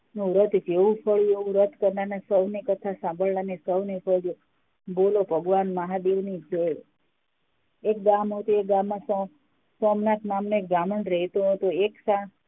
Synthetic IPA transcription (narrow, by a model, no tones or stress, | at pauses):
nũɾət̪d͡ʒeʋũpʰəɭjueʋũɾət̪kəɾnanasəʋnekət̪ʰasãbəɭːanesəwnefʰəd͡ʒo | bolobʱəɡʋanməɦad̪eʋnid͡ʒeɭ | ek̚ɡamɦot̪uek̚ɡamːãsɔ | sɔmnat̪namnõek̚ɡamənɖɾəɦet̪õɦot̪oeksã